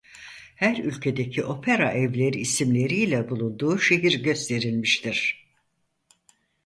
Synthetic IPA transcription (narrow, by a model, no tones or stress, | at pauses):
hæɾylʲcʰe̞d̪ecʰiʔo̞pʰeɾaʔɛvlʲe̞ɾiːsimlʲe̞ɾijlʲɛbulˠund̪uːʃe̞ɦiɾɟø̞st̪ʰe̞ɾilʲmiʃt̪ʰiɾ̥